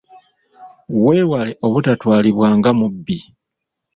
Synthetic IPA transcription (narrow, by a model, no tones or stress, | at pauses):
we̞ːwale̞ʔoβutatwaːliβwaːŋɡamubːi